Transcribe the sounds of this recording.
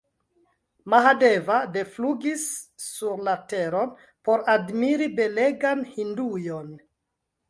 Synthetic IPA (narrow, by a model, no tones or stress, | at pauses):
maɦadevade̞fluɡisːuɾlateɾo̞n | po̞ɾadmiɾibe̞le̞ɡanhindujon